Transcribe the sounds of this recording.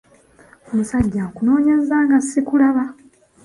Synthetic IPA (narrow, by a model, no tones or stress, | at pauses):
omusaɟːakuno̞ːɲe̞zaːŋɡasikulaβa